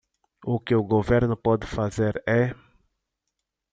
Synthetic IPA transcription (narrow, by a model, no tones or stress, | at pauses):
ʊkɪʊɡoveɾnʊpɔd̪ɪfazeɾɛ